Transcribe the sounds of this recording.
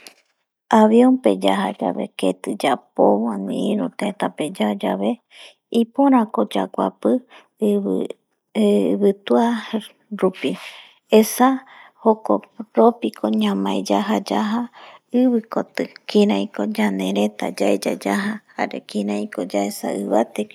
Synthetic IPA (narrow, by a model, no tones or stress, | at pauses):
aβiompḛd͡ʒaɦad͡ʒa̰βe̞̰ket̪ɨd͡ʒapoβanĩĩɾut̪et̪aped͡ʒad͡ʒa̰βe | ipoɾ̃ãkod͡ʒakʷa̰pɨ | βɨt̪ua | ɾupi | esa | hokoɾopikʰoɲãmãed͡ʒaɦad͡ʒaɦaɨβɨkot̪ɨkĩɾãj̃kod͡ʒanẽɾet̪a̰d͡ʒaed͡ʒa̰d͡ʒaɦahaɾḛkĩɾãĩkod͡ʒaesa̰ɨβat̪e